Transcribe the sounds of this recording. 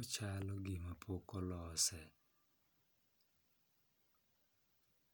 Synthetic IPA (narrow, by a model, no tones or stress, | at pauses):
t͡ʃalɔɡɪmapʰokɔlɔsɛ